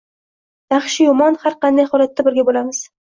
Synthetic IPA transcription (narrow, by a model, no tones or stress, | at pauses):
jɑχʃɪjʊmɒnhaɾqɑnd̪ajχɒlat̪ːabɪɾɡʲabolamɪz̥